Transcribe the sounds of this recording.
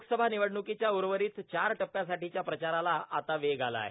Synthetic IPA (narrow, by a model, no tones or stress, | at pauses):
ukʰsəbʱaniʋəɽɳukit͡ɕjauɾʋəɾiːt̪t͡ɕaɾʈəpːjasaʈit͡ɕjapɾət͡ɕaɾalaat̪aʋeɡʱala̰e